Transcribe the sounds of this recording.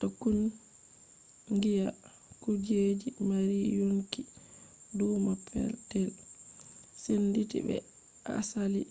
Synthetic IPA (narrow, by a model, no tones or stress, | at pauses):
tokːun | ŋɡija | kud͡ʒed͡ʒimaɾijoŋkidumapʰːɛ̰ltɛl | senditḭbɛ̰ | ʔa̰sali